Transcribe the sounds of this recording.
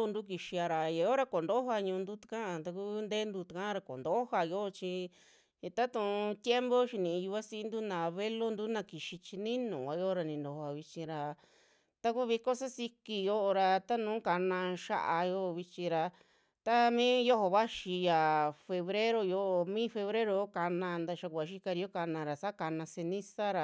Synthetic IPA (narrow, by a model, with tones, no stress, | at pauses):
u˧nd̪u˦ki˧ʃi˧a˧ɾa˨ja˨jo˦ɾa˧ko˨nd̪o˦ha˧ɲũː˧nd̪u˦t̪ḁ˧kã˦a˧t̪a˧ku˦nd̪e˦nd̪u˧t̪u˨˧kã˦ɾa˧ko̰˨nd̪o˦o˦ha˧jo˦ʔo˧t͡ʃi˧˨ | t̪a˦t̪ũ˧˨˧t̪je˦mbo˦ʃi˧nĩ˧˨˧ju˧a˦si˧˦nd̪u˦nã˨˧βe˦lo˦nd̪u˦nã˧ki˨ʃi˧t͡ʃi˧nĩ˦nũ˨a˧jo˦˧ɾa˧nĩ˧nd̪o˨˧a˧βi˧t͡ʃĩ˧ɾa˧ | t̪a˦ku˦βi˧ko˦sa˦si˧ki˧jo˦ʔo˧ɾa˧t̪a˦nũː˨˦ka˧nã˧ʃa̰˧ʔa˧jo˦˧βi˧t͡ʃĩ˧ɾa˧ | t̪a˦mĩː˦jo˦o˧βa˦ʃi˧ja˨fe˧βɾe˦ɾo˧jo˧ʔo˧mĩ˦fe˧βɾe˦ɾo˧o˦ka˧nã˧nd̪a˧ʃa˧ku˧˨a˧ʃi˦ka˧ɾi˧jo˦ka˧nã˧ɾa˨sa˦ka˧nã˧se˧nĩ˦sa˦ɾa˨